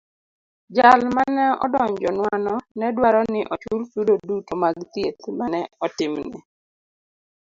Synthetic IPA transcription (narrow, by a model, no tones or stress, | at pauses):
d͡ʒalmanɛɔ̰dɔɲd͡ʒɔnwanɔnɛdwaɾɔnɪʔɔt͡ʃultudodutomaɡt̪jet̪manɛɔtɪmnɛ̰